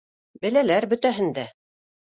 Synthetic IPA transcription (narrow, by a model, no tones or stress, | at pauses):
bɘ̆lælæɾbɵ̆t̪æɦɘ̆nd̪æ